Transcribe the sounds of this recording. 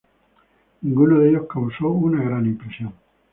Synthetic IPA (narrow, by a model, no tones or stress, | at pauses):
ŋɡunoðeʎohkawsounaɣɾanimpɾesjõŋ